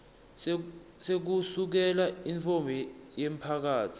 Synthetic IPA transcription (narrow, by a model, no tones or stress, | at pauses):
sek̬usuk̬ɛlaiɱfɔmbʱɛjem̩pʰak̬aːtʰi̥